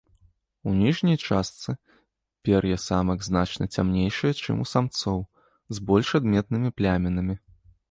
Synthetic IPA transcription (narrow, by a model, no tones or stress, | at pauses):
unʲiʐnʲɐjt͡ʂast̪sɨ | pʲɛrjɛsamɐɡznat͡ʂnɐt͡sʲamnʲejʂɨjɐt͡ʂɨ̰mṵsamt̪sɔw | zbɔlʲʂad̪mʲɛt̪nɨmʲiplʲamʲɛnɐmʲi